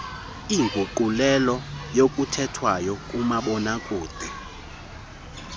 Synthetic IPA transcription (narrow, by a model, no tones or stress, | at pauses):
iːŋɡʱuǃulɛlɔjokʼutʰɛtʰwajɔkʼumaɓɔnakʼuːd̥ʱi